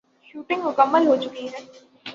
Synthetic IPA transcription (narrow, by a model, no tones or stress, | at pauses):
ʃuːʈɪ̃ŋɡmʊkəmːəlɦot͡ʃʊkiɦɛː